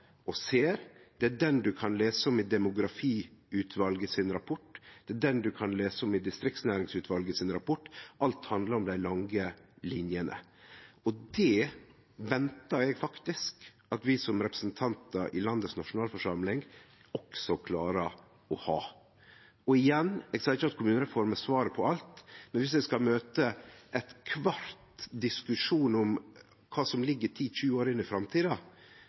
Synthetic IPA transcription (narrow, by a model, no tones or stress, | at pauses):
ɔseːɾd̪̥ɛæɖɛnd̪ʉkʰɑnleːsəɔmɪd̪ɛmʊɡɾɑfiːʉːt̪ʰʋɑlɡəsɪnɾɑpʰɔʈːd̪̥ɛæɖɛnd̪ʉkʰɑnleːsəɔmɪd̪ɪst̪ɾɪk̚t̪snæːɾɪŋsʉːt̪ʰʋɑlɡəsɪnɾɑpʰɔʈːʔɑlt̪hɑnd̪ləɾɔmd̪æɪlɑŋɡəlɪnjənʔə̰ | ɔd̪ɛ | ʋɛnt̪ɑɛɡfɑkt̪ɪsk | ɑt̪ʋɪsɔmɾɛpɾəsnt̪ʰɑnt̪əɾʔɪ̰lɑnd̪əsnɑʂʊnɑːlfɔʂɑmlɪŋ | ɔksɔkʰlɑːɾə | ɔhɑː | ɔɪjɛnːɛɡsɑːɪçːəɑt̪̚kʰʊmʉːnəɾɛfɔɾməsʋɑːɾəpʰɔɑlt̪mɛnʋɪs̬ʋɛskɑmøːt̪əʔɛt̪kʰʋɑɾt̪d̪ɪskʉʂuːnɔm | kʰɑːsɔmlɪɡːət̪ʰiːçʉːəoːɾɪnɪfɾɑmt̪ʰiːd̪ɑ